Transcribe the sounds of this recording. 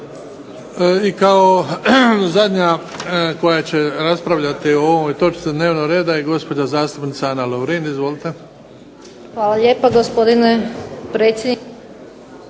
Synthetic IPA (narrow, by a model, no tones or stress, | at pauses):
ikao | zad̪ɲako̞jat͡ɕe̞ɾaspɾaʋʎat̪ioomojt̪o̞t͡ʃ̪sid̪ne̞ːʋnoɡɾeːd̪ajeɡo̞spo̞d͡ʑazaːst̪upnit̪saanaloʋɾeːnizʋo̞lit̪e | xʋaːlˠaljeːpaɡospod̪inepɾeːt̪sʲjed̪